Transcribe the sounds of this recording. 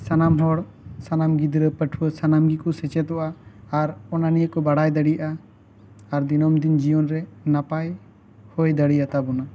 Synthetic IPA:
sanamɦɔɽ | sanamɡid̪ɾəpəʈʰuəsanamɡikɔsɛt͡ʃɛt̪ɔʔaaɾɔnanijəkɔbaɽajd̪əɽijaʔaː | ɾd̪inɔmd̪ind͡ʒijɔnɾɛnapaj | hɔjd̪aɽijat̪abɔna

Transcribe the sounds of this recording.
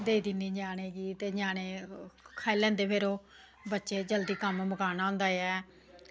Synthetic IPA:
d̪eːd̪iːniːd͡ʒaːñeːɡiːt̪eːɲaːneːkʰaːilɛ̃ːnd̪eːpʰeːɾoː | bətːʃeːd͡ʒəld̪iːkəmməkaːnaːʊ̃ːnd̪aːjɛː

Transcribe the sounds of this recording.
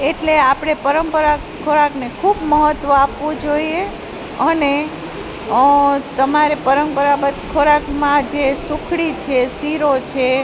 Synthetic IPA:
eʈleapɽ̃epəɾəmpəɾa | kʰoɾaknekʰubməɦət̪ʋəapʋũd͡ʒoie | əne | t̪əmaɾepəɾəmpəɾabətkʰoɾakmãd͡ʒesukʰɽit͡ʃʰesiɾot͡ʃʰe

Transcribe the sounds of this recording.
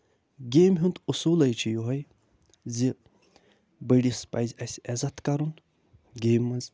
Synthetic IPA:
ɡʲeːmɦunt̪usuːlɐjt͡ʃʰijuɦɐj | zi | bəɽispa̰jzʲɐsʲiɛzɐt̪kɐɾun | ɡʲeːmːɐnz

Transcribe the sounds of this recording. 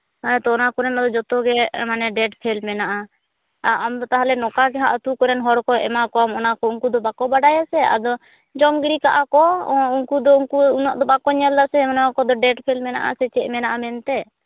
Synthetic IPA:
aɛt̪ɔːnakɔɾɛnad̪ɔd͡ʒɔt̪ɔɡɛmanɛɖɛʈpʰɛlmɛnaʔa | aamd̪ɔt̪aɦalɛnɔkaɡɛɦaʔat̪ukɔɾɛnɦɔɾkɔʔɛ̰makɔamɔnakɔuŋkud̪ɔbakɔbaɖajasɛa̰d̪ɔ | d͡ʒɔmɡɾikaʔakɔuŋkud̪ɔuŋkuunaʔd̪ɔbakɔɲɛld̪asɛmanakɔd̪ɔɖɛʈpʰɛlmɛna̰ʔa̰sɛt͡ʃɛʔmɛnaʔamɛnt̪ɛ

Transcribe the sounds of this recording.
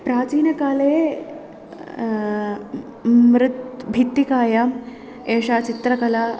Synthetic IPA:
pɾaːt͡ʃiːnɐkaːleː | mɾɪt̪bʱit̪ːikaːja | eːʂaːt͡ʃit̪ɾɐkɐla

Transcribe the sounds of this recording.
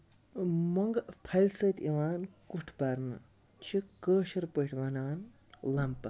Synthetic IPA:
moŋɡpʰɐlʲsɐːt̪ʰiʋaːnkuʈʰbɐɾnɨ | t͡ʃʰikəːʃɐɾpəʈʰʋɐnaːn | lɐmpɐ

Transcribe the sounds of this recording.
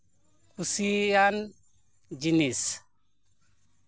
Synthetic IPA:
kusijan | d͡ʒinis

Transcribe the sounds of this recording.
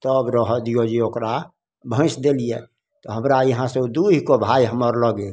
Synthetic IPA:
t̪əbɾəɦɔd̪ijod͡ʒiokɾa | bʱə̃ɪsd̪elije | t̪ɔɦəmɾajəɦãsed̪uɦikobʱaiɦəməɾləɡe

